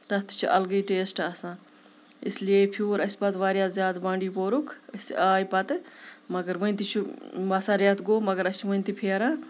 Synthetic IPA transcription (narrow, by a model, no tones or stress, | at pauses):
t̪ɐt̪ːi̥t͡ʃʰiʔɐ̰lɡiʈeːsʈɐːsãː | ḭslijepʰuːɾɐspɐt̪ʋaːɾjaːzʲjaːd̪bãːɳɖiːpoːɾukʰɐsaːjpɐt̪mɐɡɐɾʋɐnt̪it͡ʃʰubɐsaːɾjaːt̪ɡoːmɐɡəɾɐt͡ʃʰiʋɐnʲt̪ipʰeːɾaː